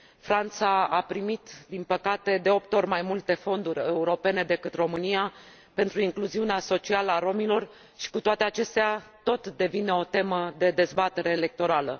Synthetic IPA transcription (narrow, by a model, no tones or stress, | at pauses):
fɾant̪saapɾimit̪d̪inpəkat̪e̞d̪e̞o̞p̚t̪o̞rʲmajmult̪e̞fo̞nd̪uɾʲe̞uɾo̞pe̞ne̞d̪e̞kɨt̪ro̞mɨnija | pe̞nt̪ɾuiŋkluziuneaso̞t͡ʃialəaɾo̞milo̞r | ʃi̥kut̪oat̪e̞at͡ʃe̞st̪eat̪o̞t̪d̪e̞vine̞o̞t̪e̞məd̪e̞d̪e̞zbat̪e̞ɾe̞ːle̞k̚t̪o̞ɾalə